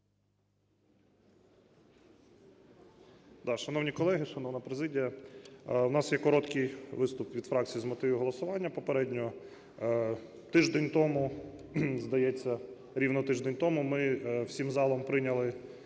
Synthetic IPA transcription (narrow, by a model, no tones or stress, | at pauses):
d̪̥ɑʃɐnɔwnʲikɔlˠɛɦɪʃɐnɔwnɐpɾezɪdʲijɐ | wnɑsjɛkɔɾɔt̪kɪjʋɪst̪ʊpʋʲid̪fɾɑk̚t͡sʲijizmɔt̪ɪʋʲɪɦɔlˠɐsʊʋɑnʲːɐpɔpeɾɛdʲnʲɔɔ | t̪ɪʒd̪enʲt̪ɔmʊ | zd̪ɐjɛt͡sʲːɐ | ɾʲiwnɔt̪ɪʒd̪enʲt̪ɔmʊmɪwsʲimzɑlˠɔmpɾɪnʲɐlˠɪ